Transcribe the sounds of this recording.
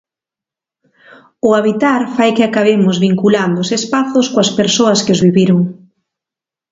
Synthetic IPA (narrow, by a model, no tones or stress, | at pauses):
ʊaβ̞it̪aɾfajkɪakaβemʊzβiŋkuland̪ʊːsespaθʊskoɐspeɾsoɐskɪʊzβiβiɾʊŋ